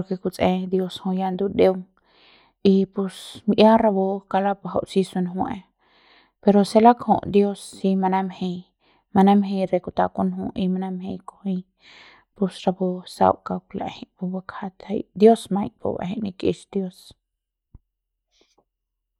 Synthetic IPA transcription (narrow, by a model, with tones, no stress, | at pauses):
poɾke˧ku˧t͡sʼʔẽ˧d̪jo˧shõ˧ja˧nd̪u˧d̪e˧wŋ | i˧pu˧smʔja˦ɾa˧bo˧ka˧la˦pa˧ɦa̰˧wʔsi˧su˧nɦw̃ḛ˧ | pe˧ɾo˧se˧la˦khõ̰˧ʔd̪jo˦sːi˧ma˧na˦mhe˧ | ma˧na˦mɦẽ˧jɾe˧ku˧t̪a˧ku˦nɦũ˧i˧ma˧na˦mhe˧jko˧hi˧ | pu˧sɾa˧bo˧sa̰˧wka˧kla̰˨hi˦pu˧ba˧kʰa˧t̪a̰˧jd̪jo˦smã˧jpṵ˧ba̰˧ɦi˦˧ni˧kḭ˧ʃd̪jo˧s